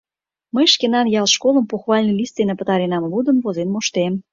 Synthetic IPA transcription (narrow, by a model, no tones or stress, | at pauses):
məjʃkenɑnjɑlˠʃkolˠə̆mpuxβɑlʲnəlʲist̪enəpə̆t̪ɑɾenɑmlˠud̪ə̆mvozenmoʃt̪em